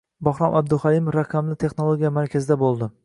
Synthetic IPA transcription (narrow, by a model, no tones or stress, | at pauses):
bɒχɾɒmʔab̚d̪ʊχalimefɾaqʰɑmlɪt̪ʰe̞χnolˠoɡʲijamaɾkʲʰazɪd̪abolˠd̪ɪ